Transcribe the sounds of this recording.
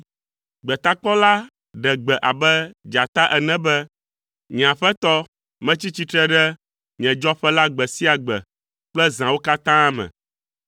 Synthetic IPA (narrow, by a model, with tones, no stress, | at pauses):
ɡ͡bɛ˨t̪a˦k͡pɔ˦la˦ | ɖɛ˨ɡ͡bɛ˨ʔa˨bɛ˦d͡ʒa˨t̪a˦ʔɛ˨nɛ̃˦bɛ˦ | ɲĩ˨ã˨ɸɛ˦t̪ɔ˦ | mɛ̃˦t͡ɕi˦t͡ɕi˦t̪ɾɛ˦ɖɛ˦ | ɲ˨ɛ̃˨d͡ʒɔ˦ɸɛ˦la˦ɡ͡bɛ˨si˦a˨ɡ͡bɛ˨ | k͡plɛ˦zã˨wo˦ka˦t̪ã˦mɛ̰̃˨